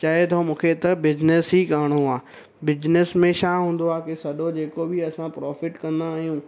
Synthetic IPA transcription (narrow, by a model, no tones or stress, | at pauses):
t͡ɕaːet̪ʰõmũːkʰet̪ɐbɪd͡ʑnɪsɦiːkaːɪɽ̃oaː | bɪd͡ʑnɪsmẽʃaːɦũːnd̪oaːkesɐɗod͡ʑeːkobɪɐsãpɾɔːfɪʈkɐ̃nd̪aːɦijũ